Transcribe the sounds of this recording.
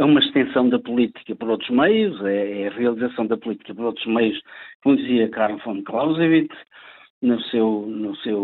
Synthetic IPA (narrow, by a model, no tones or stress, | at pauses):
ɛumɐʃt̪ẽsɐ̃w̃d̪ɐpulˠit̪i̥kɐpɔɾot̪ɾuʒmɐjuzɛɛɐʁiɐlˠizɐsɐ̃w̃d̪ɐpulˠit̪i̥kɐpɔɾot̪ɾuʒmejuʃkõnd̪iziɐkaɾfõnd̪klˠawzivit̪ | nusewnusew